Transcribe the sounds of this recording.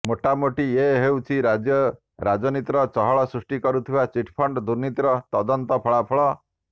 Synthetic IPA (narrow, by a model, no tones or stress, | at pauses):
moʈamoʈieɦewt͡ʃʰiɾad͡ʒjɔ | ɾad͡ʒɔnit̪ɾɔt͡ʃɔɦɔɭɔsɾusʈikɔɾut̪ʰiwat͡ʃiʈʰpʰɔɳɖd̪uɾnit̪ɾɔt̪ɔd̪ɔnt̪ɔpʰɔɭapʰɔɭɔ